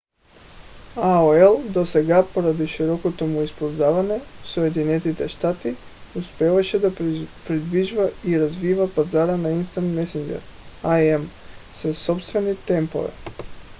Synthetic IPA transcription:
aoɛlˠd̪osɛɡapoɾad̪iʃiɾɔkot̪omuispɔlzavanɛsojed̪inɛt̪it̪ɛʃt̪at̪iuspɛvaʃɛd̪apɾid̪viʒvaiɾazvivapazaɾanainst̪ant̪mɛsind͡ʒɛ̰ɾaɛm | sasopst̪vɛnit̪ɛmpo̰vɛ̰

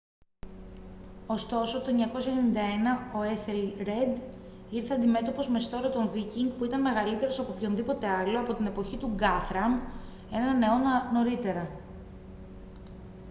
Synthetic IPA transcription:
o̞st̪o̞so̞t̪o̞eɲɐko̞sçɐenenind̪ɐe̞nɐo̞e̞θelɾe̞d̪ | iɾθeɐnd̪ime̞t̪o̞po̞zme̞st̪o̞ɾɐt̪o̞nviciŋɡpuit̪ɐnme̞ɣɐlit̪e̞ɾo̞sɐpo̞pço̞nðipo̞t̪e̞ɐlo̞ɐpo̞t̪ine̞po̞çit̪uɡɐθɾɐm | e̞nɐne̞o̞no̞ɾit̪e̞ɾɐ

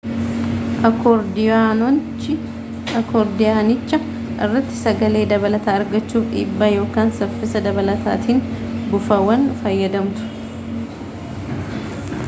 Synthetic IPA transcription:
ʔɐkɔɾd̪ɪanɔnt͡ʃɪ | ɐkɔɾd̪ɪjaːnɪt͡ʃːɐ | ʔɪ̰rːɐt̪ːɪ̥sɐɡɐle̞ːd̪ɐβɐlɐt̪aːɐɾɡɐt͡ʃːuːfᶑḭːbːaːjo̞ːkaːnsɐfːɪsɐd̪ɐβɐlɐt̪a̰ːt̪iːnbʊfɐwɐnfɐjːɐd̪ɐmt̪ʊ̥

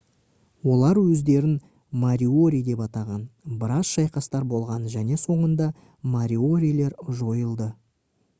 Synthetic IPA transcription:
wo̞lˠɑɾwɵzd̪e̞ɾɪn | maɾʲio̞ɾʲijd̪e̞pɑt̪ɑʁɑnbəɾɑsʃɑjqɑst̪ɑɾbo̞lˠʁɑnʒæne̞so̞ɴənd̪ɑ | maɾʲio̞ɾʲijle̞ɾʒo̞jəlˠd̪ə

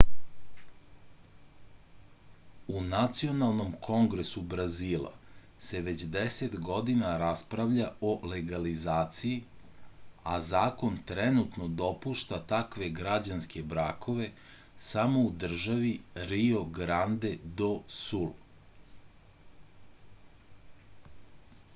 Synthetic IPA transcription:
unat̪sio̞nalˠno̞mkʰo̞ŋɡɾesubɾaziːlˠa̰ | se̞ʋet͡ɕd̪eset̪ɡo̞d̪inaɾaspɾaʋʎaole̞ɡalizaːt̪siji | azaːko̞nt̪ɾɛnut̪no̞d̪o̞puʃt̪at̪akʋe̞ɡɾad͡ʑanske̞bɾaːkʰo̞ʋe̞ | samo̞ud̪r̩ʒaʋiɾio̞ɡɾand̪e̞d̪o̞sul

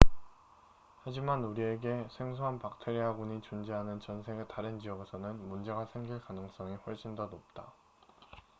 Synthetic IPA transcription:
had͡ʑimanuɾie̞ɡe̞sʰe̞ŋsʰoɦanpak̚tʰeɾiɦaɡuɲit͡ɕund͡ʑeɦanɯnt͡ɕʌnsʰe̞ɡetaɾɯnd͡ʑiʌɡe̞sʰʌnɯnmund͡ʑe̞ɡasʰe̞ŋɡiɭkanɯŋs͈ʌŋiɸwʌɭɕ͈indonop̚t͈a

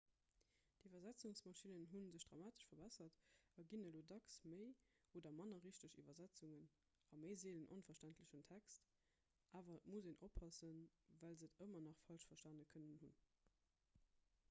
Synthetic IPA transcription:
divɐzæt͡suŋsmɑʃinənɦunzəɕd̥ʁɑmaːtə̥ʃfɐbæsɐtɑɡinəloːdɑksməɪ | ʔoːdɐmɑnɐʁiʃtəɕḭvɐzæt͡suŋən | ɑməɪzeːlənʔo̰nfɐʃtæntləʃəntʰækst | ʔaːvɐmuzeːnʔopʰhɑsənvælzətəmɐnɑχfɑlʃfɐʃtɑnəkʰənənhun

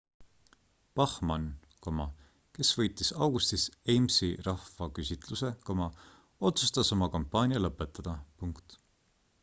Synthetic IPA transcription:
pɑhmɑn | komɑ̰ | ke̞svɤ̞jt̪ːˑisɑwɡust̪isejmsirɑhvɑkysʲit̪ˑluse̞komɑ | o̞t̪su̥st̪ɑso̞mɑkompːˑɑːnʲjɑlɤpːˑet̪ːˑɑd̪̥ɑpuŋkt̪

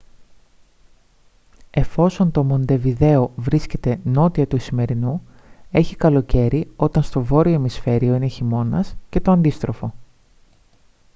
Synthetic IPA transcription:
e̞fo̞so̞nt̪omo̞nd̪e̞viðe̞o̞vɾisce̞t̪e̞no̞t̪iɐt̪uisime̞ɾinu | e̞çikɐlo̞ce̞ɾio̞t̪ɐnst̪o̞vo̞ɾiomisfe̞ɾio̞ine̞çimo̞nɐsce̞t̪oɐnd̪ist̪ɾo̞fo̞

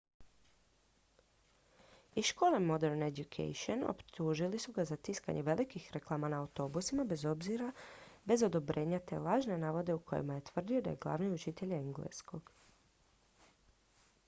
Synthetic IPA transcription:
iʃko̞ːle̞mo̞d̪e̞ɾnedukʰḛjʃono̰pt̪uːʒilisuɡazat̪iska̰ɲʔe̞ʋe̞lʔikixɾe̞klˠaːmanaːwt̪o̞busimabe̞zo̞bziɾabe̞zo̞d̪o̞bɾʔe̞ːɲat̪e̞̰lˠaːʒne̞naːʋo̞d̪e̞ukʰo̞̰jḛmaje̞t̪ʋr̩d̪io̞d̪a̰je̞ɡlˠa̰ʋniut͡ʃit̪e̞ʎeŋɡlḛsko̞ɡ̥

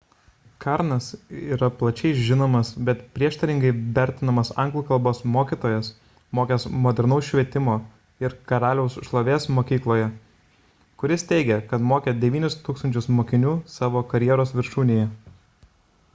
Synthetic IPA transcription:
kɑɾnɐsiːɾɐplˠɐt͡ʃʲɛɪʒʲɪnoːmɐsbʲɛt̪pʲɾʲiɛʃt̪ɐɾʲɪŋɡɐɪʋʲɛɾʲt̪ʲɪnɐmɐsɐŋɡlˠuːkɐlˠboːsmoːkʲiːt̪oːjɛs | moːkʲɛsmoːd̪ʲɛɾnɐʊsʃʲʋʲiɛt̪ʲɪmoː | ɪɾkɐɾɑːlʲɛʊsʃlˠoːʋʲeːsmoːkʲiːklˠoːjɛ | kʊɾʲɪst̪ʲɛɪɡʲɛkɐt̪moːkʲɛd̪ʲɛʋʲiːnʲʊst̪uːkst̪ɐnʲt͡ʃʲʊsmoːkʲɪnʲuːsɑːʋoːkɐɾʲjiɛɾoːsʋʲɪɾʃuːnʲejɛ

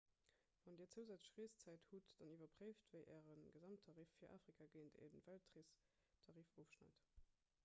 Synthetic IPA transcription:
v̥ɑndiːɐt͡səʊzæt͡səɕʁiːst͡sæɪthutd̥ɑnivɐpʁeɪftvəɪʔɛːʁənɡəzɑmtʰːɑʁiːfːiːɐʔa̰ːfʁikʰaɡeːntḛdənvæltʰʁis | tʰɑʁiːfoʊfʃna̰ɪt

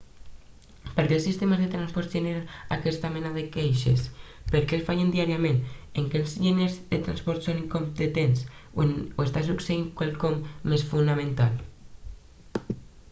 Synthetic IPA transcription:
peɾkelsist̪emazðet̪ɾanspɔɾt̪ʒeneɾaakɛst̪amenaðekejʃḛspeɾkelfajend̪iaɾiameneŋkelzʎinezðet̪ɾanspɔɾt̪soniŋkompet̪ensonoest̪asukseiŋkwalkɔmːesfunamẽnt̪al

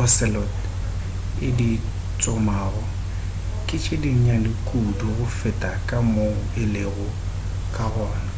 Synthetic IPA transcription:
ɔsɛlɔt | ɪdi | t͡sʼʊmaːɣɔ | kʼɪt͡ʃʼediɲ̩ɲalɪkʼuduɣʊfɪtʼakʼamoɪleɣʊ | kʼaɣɔːna

